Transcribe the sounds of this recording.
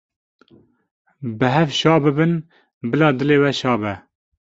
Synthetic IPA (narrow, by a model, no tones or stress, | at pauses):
bɨɦɛvʃɑːbɨbɨn | bɨlɑːd̪ɨleːwɛʃɑːbɛ